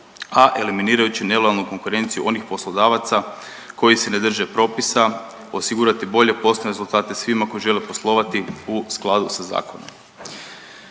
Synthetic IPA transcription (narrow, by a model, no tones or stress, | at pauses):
aʔe̞liminiːɾajut͡ɕine̞le̞jalˠnuko̞ŋkuɾe̞nt̪sijuʔo̞nixpo̞slˠo̞d̪aːʋat̪sa | ko̞jise̞ne̞d̪r̩ʒe̞pɾo̞ːpisa | o̞siɡuːɾat̪ibo̞ʎe̞po̞sneɾezulˠt̪aːt̪e̞sʋimako̞jiʒe̞lepo̞slˠo̞ːʋat̪iusklˠad̪usaza̰ːkʰo̞no̰m